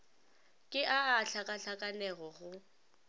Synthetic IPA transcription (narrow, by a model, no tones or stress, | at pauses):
kʼɪʔaaɬakʼaɬakʼanɛɣɔɣʊ